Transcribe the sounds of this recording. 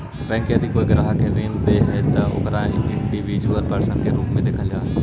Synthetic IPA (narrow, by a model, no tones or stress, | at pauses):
pɛ̃ɦŋkeɐd̪ʱikoːiɡɪɾaːɦkʰeːʋẽːlʊd̪eɦɛt̪ɐʊ̰kɾaːɪ̃ɳɖiʋid͡ʒuəlpɐɾsə̃nkʰeɾuːpmẽd̪eːkʰəljaː